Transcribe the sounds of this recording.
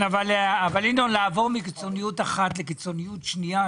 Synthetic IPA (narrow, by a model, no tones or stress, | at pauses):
navalavalindonlaːvo̞ʁmikit͡so̞nijutaχatlekit͡so̞nijutʃnia